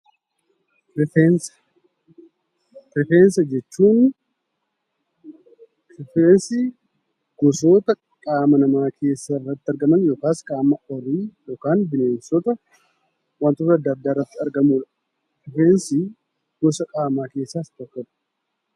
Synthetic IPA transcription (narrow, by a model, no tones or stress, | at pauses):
ɾɪfens | kɾɪfeːnsɐd͡ʒɛt͡ʃːuːn | kɾɪfensɪ | ɡ̥ɔsoːt̪ɐ | kʼaːmɐnɐmaːkʰe̞ːsːaɪrːɐt̪ːɐɾɡɐmɐnjoːkaːskʼaːmɐʔɔriːjoːkaːnbɪneːnsɔt̪ɐ | want̪ot̪ɐɐd̪ːɐd̪ːaːɪrːɐt̪ːɪɐɾɡɐmuːᶑ | pɾɪfeːnsɪ | ɡ̥ɔsɐkʼaːmaːke̞ːsːaːst̪ɔkːɐᶑ̥